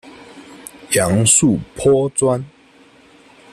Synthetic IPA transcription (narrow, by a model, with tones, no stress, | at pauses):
ja˨˦ŋsu˥˨pʰɔ˦t͡swa˦n